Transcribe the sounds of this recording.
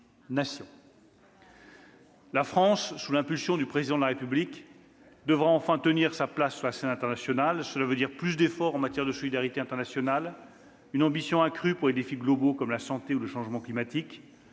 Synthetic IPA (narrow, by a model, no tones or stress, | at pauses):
nasjɔ̃ | lafχɑ̃sːulɛ̃pylsjɔ̃d̪ypχezid̪ɑ̃d̪laʁepyblik | d̪əvʁaɑ̃fɛ̃t̪əniʁsaplasːyʁlasɛnɛ̃t̪ɛʁnasjɔnalsəlavød̪iʁplys̬d̪efɔʁɑ̃mat̪jɛʁd̪əsɔlid̪aʁit̪eɛ̃t̪ɛʁnasjɔnal | ynɑ̃bisjɔ̃ɛ̃kχypuʁled̪efiɡlɔbokɔmlasɑ̃t̪euləʃɑ̃ʒmɑ̃klimat̪ik